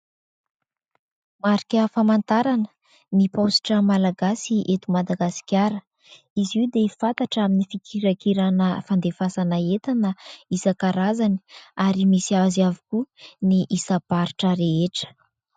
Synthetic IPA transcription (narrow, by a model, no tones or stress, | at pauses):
maɾikʲəfamant̪aɾanə̥ | niposi̥ʈ͡ʂəmalaɡasiʔet̪umad̪aɡasi̥kʲjaɾə | izid̪efat̪aʈ͡ʂaminifikʰiɾakiɾanəfand̪efasanaet̪anəisakaɾazani̥aɾimisiazavukuniʔisabaɾiʈ͡ʂəɾeeʈ͡ʂə̥